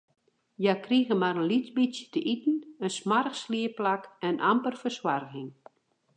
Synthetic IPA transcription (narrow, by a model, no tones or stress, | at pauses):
jakriɣəmaɾənlit͡sbisjətəʔitn̩ənsmarəxsliəplakɛnʔampərfərswarɣɪŋ